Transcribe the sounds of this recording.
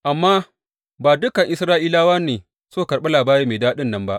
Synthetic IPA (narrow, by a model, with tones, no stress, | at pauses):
ʔa˨mːaː˦ | baː˨dʊ˦kɐ˨ŋʔɪ˨sɾaː˦ʔiː˦laː˦waː˦neː˨ | soː˦˨kɐ˨rɓɛ˦laː˨baː˦ɾeː˦meː˨daː˦ɗɪ˦nːɐ˦mba˦ʔ